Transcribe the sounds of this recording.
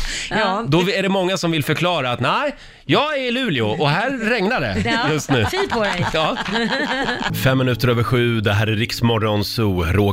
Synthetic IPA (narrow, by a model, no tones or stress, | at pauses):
d̪ɔæɖɛmɔŋːasɔmvɪlfœɾkʰlɑːɾaːt̪næɪ | jɑːɡɛɭʉ̟ːlɪʊʔɔɦæːɾːɛŋnaɖɛjɵst̪nʉ̟ːfiɔɑː | fɛmːɪnʉ̟ːt̪əɾøːvəɾɧʉ̟ːd̪ɛɦæːɾæɾɾɪksmɔɾɔnsuːɾoː